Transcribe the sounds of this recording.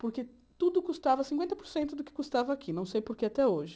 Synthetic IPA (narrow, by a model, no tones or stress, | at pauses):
poɾke | t̪ud̪ʊkust̪avɐsĩkwẽnt̪ɐpoɾsẽnt̪ʊd̪ʊkɪ̥kust̪avɐakʰinɐ̃w̃sejpoɾkeat̪ɛoʒɪ